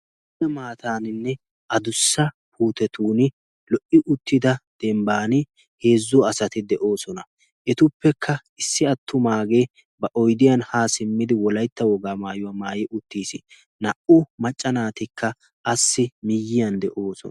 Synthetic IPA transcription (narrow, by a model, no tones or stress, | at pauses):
ɛmaːt̪aːnɪnːɛ | ʔɐd̪ʊsːɐ | pʰuːt̪ɛt̪uːnɪ | lɔʔɪʔʊt̪ːɪd̪ɐd̪̥ɛmbaːnɪ | he̞ːzːʊɐsɐt̪ɪd̪ɛʔo̞ːsɔnɐ | ʔɛt̪ʊpːɛkʰːɐ | ɪsːɪɐt̪ːʊmaːɡe | bɐʔɔjd̪ɪjɐnhaːsɪmːɪd̪ɪwɔlɐjt̪ːɐwɔɡaːmaːjʊwamaːjɪʔʊt̪ːiːsɪ | nɐʔʊmɐt͡ʃʼːɐnaːt̪ɪkʰːɐ | ʔɐsːɪmɪjːɪjɐnd̪ɛʔo̞ːsɔ̰n